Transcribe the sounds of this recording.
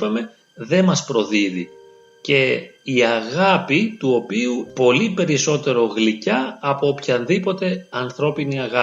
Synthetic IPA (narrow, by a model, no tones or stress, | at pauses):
pɐme̞ | ðe̞mɐspɾo̞ðiðḭ | ce̞iɐɣɐpit̪uo̞piupo̞lipe̞ɾiso̞t̪e̞ɾo̞ɣlicɐːpoopçɐnðipo̞t̪e̞ɐnθɾo̞piniɐɣɐ